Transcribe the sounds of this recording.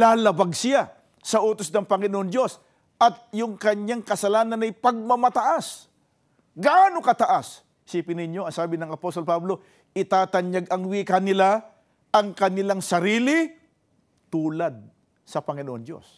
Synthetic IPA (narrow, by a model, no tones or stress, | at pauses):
laːlɐbaɡsɪja | sɐʔoːt̪osnɐŋpɐŋɪnoʔond̪jo̞s | ʔɐt̪̚jʊŋkɐɲːaŋkɐsɐlaːnɐnɐjpɐɡ̚mɐmɐt̪ɐʔas | ɡaʔaːnokɐt̪ɐʔas | siːpɪnɪɲjoɐŋsaːbɪnɐŋɐpost̪olpablo̞ | ʔɪt̪aːt̪ɐɲaɡɐŋwiːkɐnɪla | ʔɐŋkɐnɪlaŋsɐɾiːlɪ | t̪uːlad̪̚ | sɐpɐŋɪnoʔond̪jo̞̰s